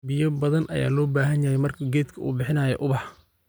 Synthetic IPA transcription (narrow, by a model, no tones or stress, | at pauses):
bɪjɐbɐðɐnʔɐ̰ja̰ːlɔːbaːɦɐnjɐhɛjmɐrkʰɐɡɛːd̪kʰɐʔṵːbɪħɪnɐːjɔ̰ʔʊβɑħ